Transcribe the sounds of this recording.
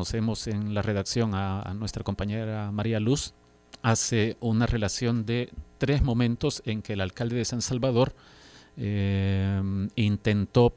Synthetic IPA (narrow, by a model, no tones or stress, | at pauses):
ose̞mo̞se̞ŋlare̞ðaksjo̞ŋanwe̞st̪ɾako̞mpaɲe̞ɾamaɾialus | ase̞unare̞lasjo̞nd̪e̞t̪ɾe̞zmõ̞mẽnt̪o̞se̞ŋkeːlalkald̪e̞ðesansalβað̞o̞ɾ | e | int̪e̞nt̪o̞